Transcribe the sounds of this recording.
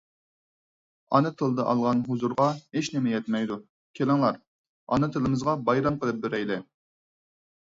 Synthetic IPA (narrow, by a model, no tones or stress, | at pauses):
ɑ̰nɨt̪ʰɨlˠd̪ɨʔɑlˠʁɑnɦuzuɾʁɑheʃnɪmɛjɛt̪mɛjd̪u | kʲʰelɪŋlˠɑɾ | ɑ̰nɨt̪ʰɨlˠɨmɨzʁɑbɑjɾɑmqəlˠɨp̚beɾɛjd̪ɛ